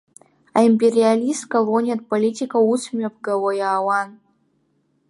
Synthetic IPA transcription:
aimpʲeɾʲialʲist̪kɐlˠonʲet̪̚pɐlʲitʲikɐusmʲopɡɐwojaːwan

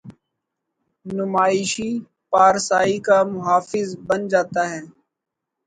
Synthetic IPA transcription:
nʊmaːɪʃiː | paːɾsaːikamʊɦaːfɪzbənd͡ʒaːt̪aːɦɛː

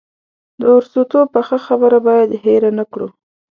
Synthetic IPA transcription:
d̪əʊɾsut̪opəxəxabəɾabɑjad̪ɦeɾanakɽṵ

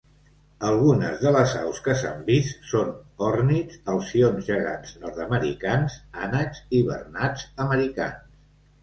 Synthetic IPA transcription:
əlˠɣunə̰zðələza̰wskəsa̰mbist̪sonɔrnit͡səlˠsionzʒəɣa̰d͡znɔɾt̪əməɾḭkansanəkziβə̰rnad͡zəməɾika̰ns

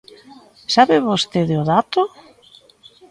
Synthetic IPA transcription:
saβɪβost̪eðeoðat̪ʊ

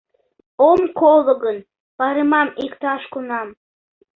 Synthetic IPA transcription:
omkolˠəɣən | pɑɾemɑmikt̪ɑʃkunɑm

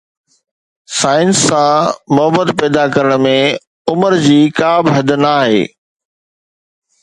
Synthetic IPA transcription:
saːɪnsːãmʊɦəbəd̪pɛːd̪akɐɾəɽ̃mẽ | ʊməɾd͡ʑiːkaːbɦɐd̪naːɦḛː

